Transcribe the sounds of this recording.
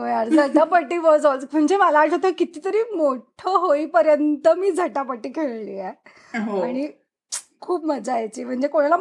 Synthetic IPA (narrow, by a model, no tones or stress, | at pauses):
ɦojaɾd͡zʱəʈapəʈːiːʋəd͡zt͡sm̤əɳd͡zemalaːʈat̪əkit̪iːt̪əɾiːmoʈʰəɦoipəɾjənt̪əmiːd͡zʱəʈapəʈːiːkʰeɭliːe | ɦaɽ̃i | kʰuːpməd͡zajt͡ɕiːm̤əɳd͡zekoɽ̃ala